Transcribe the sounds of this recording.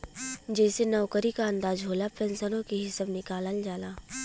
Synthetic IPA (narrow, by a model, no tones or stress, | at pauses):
d͡ʒɛːsenɔʊkəɾikaɐ̃nd̪aːzɦoːlapɛ̃nsənõkiɦɪsəbnɪkaːləld͡ʒaːlaː